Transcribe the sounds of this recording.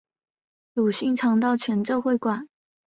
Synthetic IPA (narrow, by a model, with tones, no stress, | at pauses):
lu˨˩ɕy˥˩ŋʈ͡ʂʰɑ˧˥ŋt̪̬ɑ˥˩ʊt͡ɕʰɥɛ˧˥nʈ͡ʂɤ˥˧ʊxwe˥˩ɪkwa˨˩˦n